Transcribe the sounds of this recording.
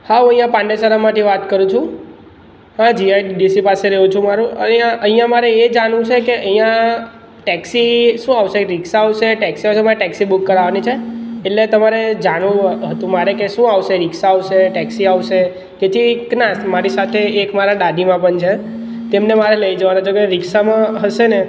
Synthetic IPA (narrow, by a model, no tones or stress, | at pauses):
haɦũə̃ɦjãpãɳɖesəɾamaʈeʋat̪kəɾũt͡ʃʰũ | hãd͡ʒiajɖiɖisipaseɾəɦũt͡ʃʰũmaɾũə̰aʔəɦĩjãmaɾeed͡ʒanũt͡ʃʰekeʔəɦĩjã | ʈɛksiʃũaʋʃeɾiksaːʋʃeʈɛksiaʋʃemaɾeʈɛksibukːəɾaʋanit͡ʃʰeːʈlet̪əmaɾed͡ʒanũɦət̪ũmaɾekeʃũaʋʃeɾɪkʃaːʋʃeʈɛksiaʋʃe | d͡ʒet̪ʰiknasmaɾisat̪ʰeːkmaɾaɗaɖimãpəɳt͡ʃʰe | t̪emnemaɾeləid͡ʒəʋanad͡ʒʰokeɾɪkʃamãɦəʃene